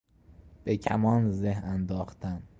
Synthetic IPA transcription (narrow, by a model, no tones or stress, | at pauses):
b̥ecʰæmɒːnzeɦænd̪ɒːxt̪ʰæn